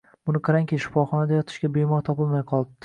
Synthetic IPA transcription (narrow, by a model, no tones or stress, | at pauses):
bʊnɪqʰɑɾaŋʲkʲiʃɪ̥fɒχɒnad̪ajɒt̪ʰɪ̥ʃɡʲabemɒɾt̪ʰɒpɪlˠmajqʰɒlˠɪ